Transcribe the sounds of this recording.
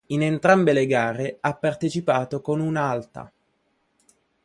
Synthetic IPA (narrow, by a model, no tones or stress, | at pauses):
inent̪ɾambeleɡaːɾeapːart̪et͡ʃipaːt̪okonunaalt̪a̰